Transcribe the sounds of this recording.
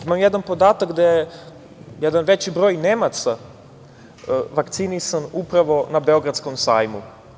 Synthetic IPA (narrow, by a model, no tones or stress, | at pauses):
imamjed̪anpo̞d̪aːt̪akɡd̪eje | jed̪anʋet͡ɕibɾo̞ːjnemat̪sa | ʋakt̪sinisanupɾaʋo̞nabeo̞ɡɾat̪sko̞msaːjmu